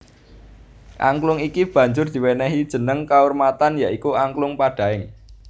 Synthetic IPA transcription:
ʔa̰ŋklʊŋikib̥ä̤ɲd͡ʒʊrd̪̥i̤wɛnɛɦid̥ʒ̥ə̤nəŋkaurmat̪anjaʔikuaŋklʊŋpaɖ̥a̤ɪŋ

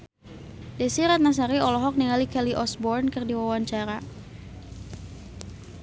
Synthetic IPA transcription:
dɛsiɾat̪̚nas̬aɾiɔlɔɦɔk̚niŋalikɛliʔɔsbɔrnkɨrdiwawaɲt͡ʃaɾa

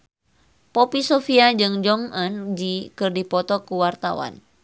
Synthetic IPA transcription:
pɔpisɔfiad͡ʒɨŋd͡ʒɔŋənd͡ʒikɨrdipɔt̪ɔkuwart̪a̰wa̰n

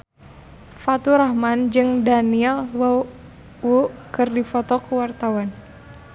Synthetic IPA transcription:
fat̪uɾahmand͡ʒɨŋdaniɛlwa | wukɨrdifɔt̪ɔkəwart̪awan

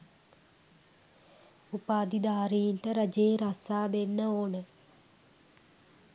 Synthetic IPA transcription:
upaːd̪id̪aːɾiːnt̪ɐɾɐd͡ʒeːɾɐsaːd̪enːɐoːnə

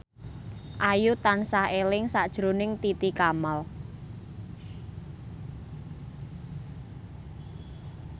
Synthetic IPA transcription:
ʔajut̪ansahelɪŋsaʔd̥ʒ̥ɾonɪŋt̪it̪ikamal

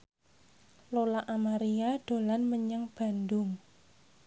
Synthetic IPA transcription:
lolaʔamaɾiaɖ̥o̤lanməɲəŋb̥a̤ndʊŋ

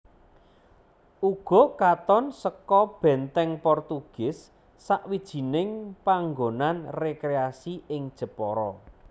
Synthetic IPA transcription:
ʔuɡ̥ɔ̤kat̪ɔnsəkɔb̥ɛnt̪ɛŋpɔrt̪uɡ̥ɪsː | aʔwid̥ʒ̥i̤nɪŋpaŋɡonanrekɾeasiɪŋd̥ʒ̥ə̤pɔɾɔ

